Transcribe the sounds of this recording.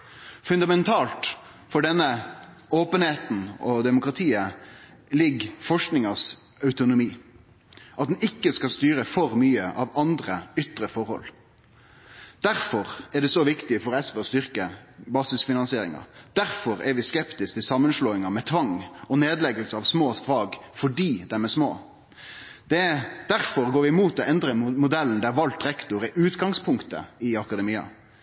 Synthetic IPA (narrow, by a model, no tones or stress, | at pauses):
fʉnd̪ɑmɛnt̪ʰɑːlt̪ | fɔɖɛnːə | oːpənheːt̪n̩ɔd̪ɛmʊkʁɑt̪ʰiːə | lɪɡfɔʂknɪŋɑs | œʉt̪ʊnʊmiː | ʔɑt̪̚d̪ɛn̩ɪkːəskɑst̪yːɾəfɔɾmyːəʔɑʋɑnd̪ɾəʏt̪ɾəfɔɾhɔ̰l | d̪̥æɾfɔɾɛɾɖɛsɔʋɪkt̪ɪfɔɾɛsʋɛɔst̪ʏɾkəbɑːsɪsfɪnɑnsɪeːɾɪ̰ŋɑ̰d̪̥æɾfɔɾɛɾʋɪskɛpt̪ɪskt̪ɪsɑmːənʂloːɪŋɑmɛt̪ʰʋɑŋɔneːd̪lɛɡəlsəɑʋsmoːfɑːɡfɔɖiːd̪ɛmɛsmo̰ː | d̪̥ɛd̪æɾfɔɾɡoːʋɪmuːt̪ɔɛnd̪ɾəmʊd̪ɛlːn̩d̪ɛæɾʋɑlt̪ɾɛkt̪ʊɾɪʔʉːt̪ɡɑŋspʰʊŋkt̪ə̰ɪɑkɑd̪ɛmiːɑ̰